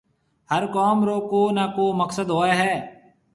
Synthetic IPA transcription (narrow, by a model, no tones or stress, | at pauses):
ɦəɾkɔːmɾoːkoːnaːkoːməksəd̪ɦoːeːɦɛː